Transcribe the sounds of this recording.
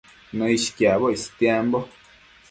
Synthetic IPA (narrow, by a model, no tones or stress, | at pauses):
nõiʃi̥kjaβoist̪jambo